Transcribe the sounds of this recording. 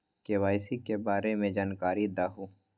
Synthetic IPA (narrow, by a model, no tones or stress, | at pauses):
keʋaːɪsikebaːɾemẽd͡ʒaːnkaːɾid̪aːɦuː